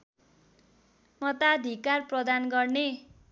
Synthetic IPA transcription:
mʌt̪ad̪ʱikarprʌd̪anɡʌrne

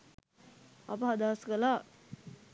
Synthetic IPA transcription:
a̰pəɦad̪aːskəlaː

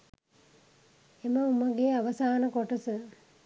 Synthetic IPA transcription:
emɐumɐɡeaʋɐsaːnɐkoʈɐsɨ

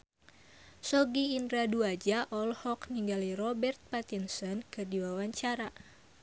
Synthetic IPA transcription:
sɔɡiːndɾaduad͡ʒaʔɔlhɔkniŋɡalirɔbɛrt̪̚pat̪insɔnkɨrdiwawaɲt͡ʃaɾa

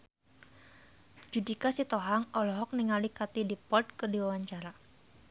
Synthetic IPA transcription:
d͡ʒudikasit̪ɔɦaŋɔlɔɦɔk̚niŋalikat̪idipɔd̪̚kɨrdiwawaɲt͡ʃaɾa

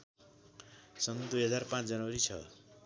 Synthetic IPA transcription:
sʌnd̪ujɦʌd͡zarpãt͡sd͡zʌnʌwʌɾit͡sʰʌ̰

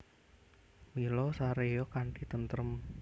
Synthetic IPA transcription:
milɔsaɾejɔkaɳɖit̪ənt̪ɾəm

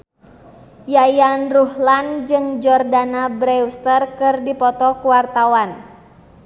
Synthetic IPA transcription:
jajanruhland͡ʒɨŋd͡ʒɔrdanabɾɛust̪ərkɨrdipɔt̪ɔkuwart̪awan

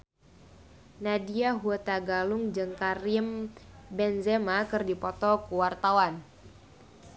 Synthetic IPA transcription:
nadiaɦuət̪aɡalʊŋd͡ʒɨŋkarimbɛnzemakɨrdipɔt̪ɔkuwart̪awan

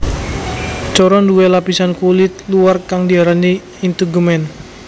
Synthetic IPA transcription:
t͡ʃɔɾɔnduelapisankulɪt̪̚luarkaŋdiaɾani | int̪uɡumɛn

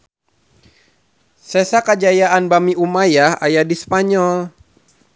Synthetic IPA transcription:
sɛsakad͡ʒajaanbamiumajaha̰jadispaɲɔl

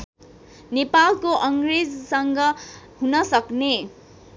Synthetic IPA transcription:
nepalkoʔʌŋɡred͡zsʌŋɡʌ | ɦunʌsʌkne

